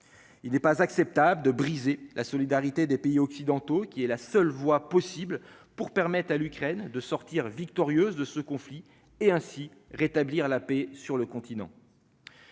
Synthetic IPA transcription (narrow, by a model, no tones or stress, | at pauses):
ilnɛpazaksɛp̚t̪abləd̪əbʁizelʔasɔlid̪aʁit̪ed̪epeiɔksid̪ɑ̃t̪okʲiɛlasœlvwapɔsibl | puʁpɛʁmɛt̪χalykχɛnd̪əsɔʁt̪iʁvikt̪ɔʁjøzd̪əsəkɔ̃fli | eɛ̃siʁet̪abliʁlapesyʁləkɔ̃t̪inɑ̰̃